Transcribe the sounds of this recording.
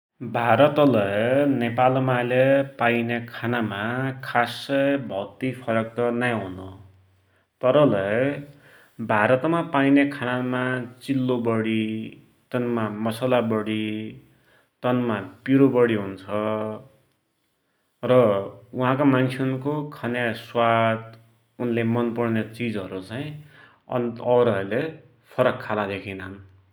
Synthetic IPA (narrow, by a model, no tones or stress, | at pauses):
bʱaɾʌt̪ʌlʌjnepalmalʌpainekʰanamakʰasʌjbʱʌt̪ipʰʌɾʌk̚t̪ʌnajɦunʌ | t̪ʌɾʌlʌj | bʱaɾʌt̪mapainekʰanamat͡silːobʌɽi | t̪ʌnmamʌsʌlabʌɽi | t̪ʌnmapiɾobʌɽiɦunt͡sʰʌ | rʌuɦãk̬omant͡sʰeʌunkokʰʌnjaswat̪ | unlemʌnpʌrnet͡sid͡zɦʌɾut͡saĩ | ʌ̰nʌwɾʌʌɾule | pʰʌɾʌkʰːalad̪ekʰinam